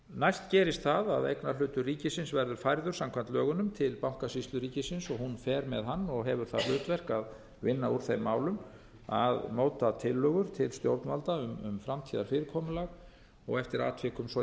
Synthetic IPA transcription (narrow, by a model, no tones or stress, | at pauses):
najst̪cɛːɾɪst̪θaða̰ðḛjknalʏːt̪ʏriːcɪsɪnsvɛɾðʏɾ̥fajɾðʏɾsamkʰvant̪lœːɣʏnʏmt̪ʰɪlpawŋ̥kasist̪lʏɾiːcɪsɪnsɔɣhunfɛːɾmɛðɦanːɔɣɦɛvʏɾ̥θaðlʏːt̪vɛr̥kað | vɪnːauɾ̥θejmːaːwlʏm | a̰ðmoːwt̪at̪ʰɪlːœɣʏɾ̥t̪ʰɪlst̪jowɾt̪nmalt̪aʏmʏ̰mfɾamt̪ʰiːðaɾ̥fɪːɾɪɾkʰɔːmʏlaɣ | ɔ̰ɣɛft̪ɪɾa̰ːt̪ʰvɛːkʏmsɔ